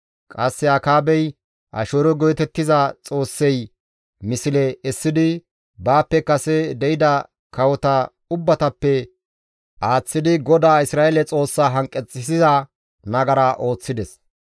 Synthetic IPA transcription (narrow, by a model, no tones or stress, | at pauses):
kʼɐsːɛɐkaːbɛj | ʔɐ̰ʃoːɾɔɡɔjt̪ɛt̪ːɪzɐt͡sʼo̞ːsːɛj | mɪsɪlɛɛsːɪd̪ɪ | baːpːɛkɐsɛd̪ɛɪd̪ɐ | kɐwɔt̪ɐ | ʊbːɐt̪ɐpːɛ | ʔaːt͡sːɪd̪ɪɡɔd̪aːɪsɾaːɛlɛt͡sʼo̞ːsːaːɦɐŋkʼːɛt͡sʼːɪsɪzɐ | nɐɡɐɾaʔo̞ːt͡sːɪd̪ɛs